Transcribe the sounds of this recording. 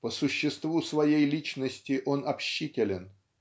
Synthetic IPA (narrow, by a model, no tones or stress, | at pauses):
pəsʊɕːɪst̪vusvɐjejlʲit͡ɕnəsʲtʲɪʔo̞nɐpɕːitʲɪlʲɪn